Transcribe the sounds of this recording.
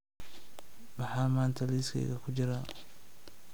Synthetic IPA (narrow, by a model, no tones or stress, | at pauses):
mɑħɑːmaːnt̪ʰɐliskʰɛ̰ːɣɐkʰʊt͡ʃɪɾaː